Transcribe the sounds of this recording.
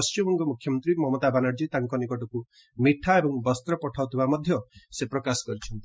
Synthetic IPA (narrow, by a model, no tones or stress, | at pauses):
sɔmɔŋkɔmukʰjɔmɔnt̪ɾimɔmɔt̪abanaɾd͡ʒit̪aŋkɔnikɔʈɔku | miʈʰaebɔŋbɔst̪ɾɔpɔʈʰaut̪ʰibamɔd̪ʱjɔsepɾɔkasɔ̥kɔɾit͡ʃʰɔnt̪i